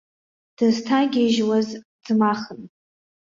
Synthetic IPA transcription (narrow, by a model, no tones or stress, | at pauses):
d̥ɨztʰaɡʲeʒwaz | d͡zmaχən